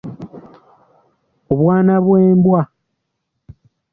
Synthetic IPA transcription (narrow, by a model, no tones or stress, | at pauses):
oβwaːnaβweːmbwa